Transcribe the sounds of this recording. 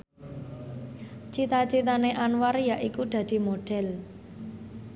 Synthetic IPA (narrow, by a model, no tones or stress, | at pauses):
t͡ʃit̪at͡ʃit̪aneʔanwarjaʔikud̪̥ä̤d̪̥i̤moɖ̥ɛ̤l